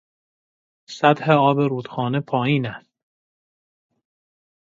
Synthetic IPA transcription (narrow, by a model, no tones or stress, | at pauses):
sæt̪heɒːbeɾuːd̪̥xɒːnepʰɒːjiːnæst̪̚